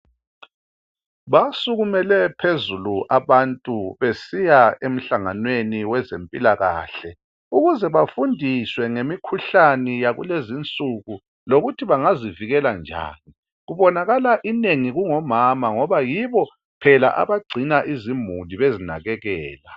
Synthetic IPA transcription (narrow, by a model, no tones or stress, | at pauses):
βasuɣumɛlɛpʰezuluʔaβantʼuβesijaem̩ɬaŋanweniwɛzempʼilaɣa̰ːɬɛ | uɣuzɛβafundʱiswɛŋemikʰuɬanijaɣṵlezint͡sʼuɣu | loɣutʰiβaŋaziviɣɛland͡ʒʱa̰ːni | ɣuβɔnaɣalaʔineŋiɣuŋɔmamaŋɔβajiβɔ | pʰɛla̰ʔa̰βaɡ͡ǀʱinaʔizimuliβezina̰ɣɛɣɛːla